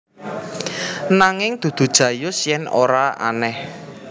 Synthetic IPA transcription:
naŋɪŋd̪̥ṳd̪̥ṳd̥ʒ̥ä̤jʊsjɛno̰ɾaʔa̰nɛh

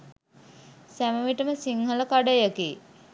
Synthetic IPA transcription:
sæməʋiʈəməsiŋhələkaɖəjəke

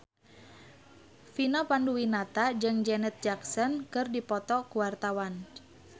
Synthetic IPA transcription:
finɔpanduwinat̪ad͡ʒɨŋd͡ʒɛnɛt̪̚d͡ʒaksɔnkɨrdipɔt̪ɔkuwart̪awan

